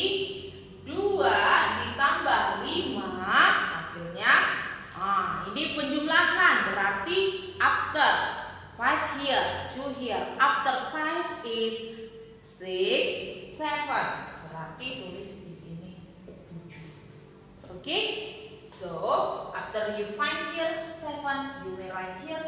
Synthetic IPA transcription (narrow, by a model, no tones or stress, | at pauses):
duadit̪ambaʔlimaasilɲaʔainipəɲd͡ʒumlahanbəɾart̪iʔaft̪ər | fajfhild͡ʒuɦiəlʔaft̪ərfajvɪsː | ɪksːɛvənbəɾart̪ituɾɪsisini | ud͡ʒu | oke | soʔaft̪ərjufajfhirsɛvənjuɾilajfhir